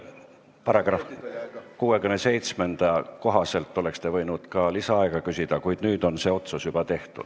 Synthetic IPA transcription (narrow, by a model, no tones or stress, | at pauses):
pɑɾɑɡɑ | kuːekymnese̞jt̪sme̞nd̪̥ɑko̞ɦɑse̞lt̪ˑːo̞le̞kst̪e̞vɤ̞jnud̪̥kɑlisɑɑeɡ̥ɑkysid̪̥ɑkujd̪̥nyːd̪o̞nse̞ːo̞t̪susjub̥ɑt̪e̞ht̪ṵd̪̥